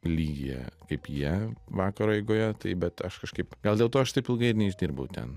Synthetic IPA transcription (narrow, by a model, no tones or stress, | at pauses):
lʲiːɡʲijɛ̰kɐɪpjiɛʋɑːkɐɾoːɛɪɡoːjɛt̪ɐɪbʲɛt̪ɐʃkɐʃkɐɪpɡɐlˠd̪ʲeːlˠt̪oːɐʃt̪ɐɪpɪlˠɡɐɪɪɾnʲɛɪʒʲd̪ʲiːɾbɐʊt̪ʲɛ̰n